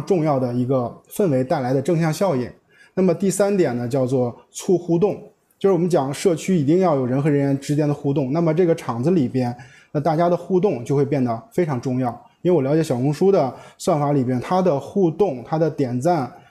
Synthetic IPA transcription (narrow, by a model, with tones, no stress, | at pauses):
ʈ͡ʂʊ˥˧ŋjɑ˥˩ʊd̪ə˩i˧˥ɡə˧fə˥˩nwe˧˥ɪt̪a˥˩ɪla˧˥ɪd̪ə˧ʈ͡ʂɤ˥˧ŋɕjɑ˥˧ŋɕjɑ˥˧ʊḭ˨˩˦ | na˥˩mə˩t̪i˥˩sa˥nt̪jɛ˨˩nnə˦t͡ɕjɑ˥˧ʊt͡swɔ˥˧t͡sʰu˥˧xu˥t̪̬ʊ˥˩ŋ | t͡ɕjo˥˧ʊʂɻ̩˥˩wɔ˨˩mə˦nt͡ɕjɑ˨˩ŋʂɤ˥˩t͡ɕʰy˥i˨˩t̪i˥˧ŋjɑ˥˩ʊjo˨˩ʊɻə˧˥nxɤ˧˥ɻə˧˥nɥɛ˧˥nʈ͡ʂɻ̩˧˥t͡ɕjɛ˥nd̪ə˨xu˥˧t̪ʊ˥˩ŋna˥˩mə˩ʈ͡ʂɤ˥˩ɡə˩ʈ͡ʂʰɑ˨˩ŋd͡zɹ̩˧li˨˩pjɛ˥n | nə˥˧t̪a˥˩t͡ɕja˥d̪ə˨xu˥˧t̪̬ʊ˥˧ŋt͡ɕjo˥˧xwe˧ɪp̬jɛ˥˩nd̪ə˩fe˥ɪʈ͡ʂʰɑ˧˥ŋʈ͡ʂʊ˥˧ŋjɑ˥˩ʊi˥we˥˧wɔ˨˩ljɑ˥t͡ɕjɛ˧˥ɕjɑ˨˩ʊ˥ŋʂu˥d̪ə˨swa˥˩nfa˧˥li˨˩pjɛ˥nt̪ʰa˥d̪ə˨xu˥˧t̪ʊ˥˩ŋt̪ʰa˥d̪ə˨t̪jɛ˨˩nt͡sa˥˩n